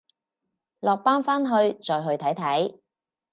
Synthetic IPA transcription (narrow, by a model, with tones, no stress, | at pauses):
lɔː˨k̚paː˥nfaː˥nɦɵ˧ɥt͡ʃɔː˨jɦɵ˧ɥt̪ʰɐ˨˥jt̪ʰɐ˨˥j